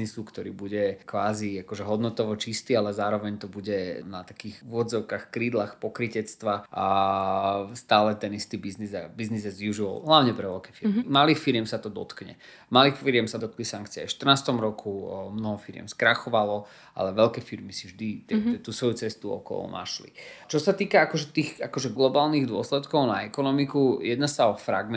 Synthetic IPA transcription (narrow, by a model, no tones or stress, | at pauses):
nisukt̪ɔɾḭːbuɟɛkʋaːziakɔʒɛɦɔd̪nɔt̪ɔʋɔt͡ʃist̪iːalɛzaːɾɔʋɛɲt̪ɔbuɟɛnat̪akiːxuʊɔdd͡zɔʊkaxkɾiːd̪laxpɔkɾicɛt͡st̪ʋaʔa | st̪aːlɛt̪ɛnist̪iːbizniza̰biznizɛzʋiuʒiɔ̰lɦlaʊɲɛpɾɛʋɛlkɛfiɾmimaliːxfiɾɪjɛmsat̪ɔd̪ɔ̰t̪kɲɛ̰ | maliːxfiɾjɛmsad̪ɔt̪̚klisaŋkt͡siɛ̰fʃt̪ərnaːst̪ɔmɾɔkʰumnɔɦɔfiɾɪjɛ̰mskɾaxɔʋalɔ | ʔa̰lɛʋɛlkɛfiɾmisivʒd̪it̪ɛɛt̪uːsʋɔjut͡sɛst̪uɔ̰kɔ̰nʔa̰ʃlḭt͡ʃɔsat̪iːkaakɔʒɛt̪iːɣakɔʒɛɡlɔbaːlniɣd̪ʊɔslɛt̪kɔʊnaɛkɔnɔmikujɛd̪nasaɔfɾa̰ɡmɛ